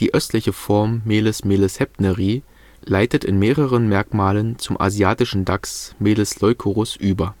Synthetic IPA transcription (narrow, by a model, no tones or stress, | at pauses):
d̥iːʔœstlɪçəfɔɐmːeːləsmeːləshɛpnəʁiː | laɪtətɪ̰nmeːʁəʁənmɛɐkmaːlənt͡sʊmʔa̰ziaːtɪʃn̩daksmeːdəslɔʏkʰoʁʊsʔyːbɐ